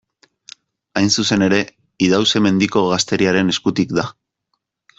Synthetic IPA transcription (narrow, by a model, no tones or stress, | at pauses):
ajnsuse̞ne̞ɾe̞ | iðawse̞me̞nd̪iko̞ɣast̪e̞ɾiaɾe̞ne̞skut̪ikd̪a